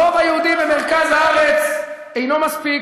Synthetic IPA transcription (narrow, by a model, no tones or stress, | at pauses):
ovajehud̪imbeme̞ʁkazhaaʁet͡s | ejno̞maspi